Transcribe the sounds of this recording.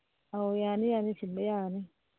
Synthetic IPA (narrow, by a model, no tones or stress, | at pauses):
awjanijanisimbɛjani